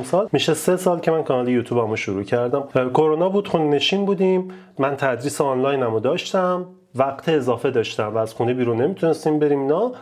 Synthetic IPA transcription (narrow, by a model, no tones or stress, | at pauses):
msɒːlmiʃese̞sɒːlcʰemænkʰɒnɒːlejuːt̪ʰuːbæmuʃuɾuːcʰæɾd̪æmkʰo̞ɾonɒːbuːd̪̥xunne̞ʃiːnbuːd̪imː | ænt̪ʰæd̪ɾiːseɑnlɒjnæmod̪ɒːʃt̪æm | væɡt̪ʰeːzɒːfe̞d̪ɒːʃt̪æmvæːz̥xunebiːɾunːe̞mit̪ʰunest̪iːmbe̞ɾiːminɒ